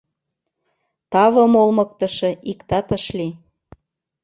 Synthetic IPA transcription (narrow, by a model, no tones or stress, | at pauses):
t̪ɑβɤ̆molmɤ̆k̚t̪ɤ̆ʃɤ̆ʔikt̪ɑt̪ɤ̆ʃli